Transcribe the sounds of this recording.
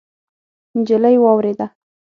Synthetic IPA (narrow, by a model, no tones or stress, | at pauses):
nd͡ʒɪləjwɑwɾed̪a